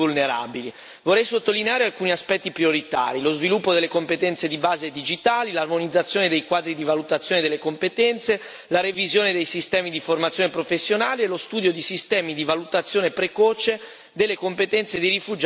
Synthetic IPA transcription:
ulneɾa̰bili | vorːɛjsot̪ːolineaːɾealkuːniaspɛt̪ːipɾjoɾit̪a̰ːɾilozvilupːod̪elːekompet̪ɛnt̪sed̪ibaːzed̪id͡ʒit̪aːlilarmonid̪zːat̪sjoːned̪ejkwaːd̪ɾid̪ivalut̪at̪sːjoːned̪elːekompet̪ɛnt̪se | laɾevizjoːned̪ejsist̪ɛːmid̪iformat̪sjonepɾofesːjonaːlielost̪uːd̪jod̪isist̪ɛːmid̪ivalut̪at̪sːjoːnepɾekɔːt͡ʃe | d̪elːekompet̪ɛnt̪sed̪irifud͡ʒ

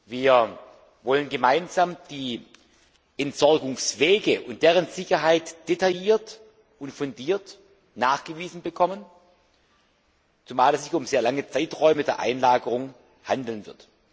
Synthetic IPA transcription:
viːɐ | vɔlənɡəmaɪnzaːmd̥iː | ʔɛntz̥ɔɐɡʊŋsv̥eːɡəʔʊnt̚d̥eːʁ̞ənzɪçɐɦaɪtd̥etajiːɐt | ʊntfʊndiːɐt | naːχɡ̥əviːzn̩bəkʰɔmən | t͡sumaːlɛszɪçʊmzeːɐlaŋət͡saɪtʁɔʏmədeːɐʔa̰ɪnlaːɡəʁʊŋ | handl̩nvɪɐt

